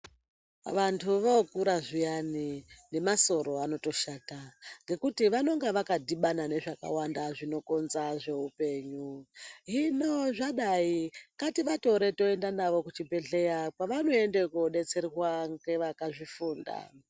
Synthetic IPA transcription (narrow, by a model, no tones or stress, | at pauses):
ʋantʰuʋokuɾaʐijanine̞maso̞ɾo̞ano̞to̞ʃaːtaŋɡe̞kutiʋano̞ŋɡeʋakadiɓanane̞ʐaka̰wandaʐino̞ko̞nzaʐe̞ɦupe̞ːɲuɦinoʐaɗaikatiɓato̞ɾe̞to̞e̞ndanaʋo̞kut͡ʃibe̞ɬe̞japaʋano̞e̞ndekoɗe̞t͡se̞rwaŋɡe̞ʋakaʐifuːnda̰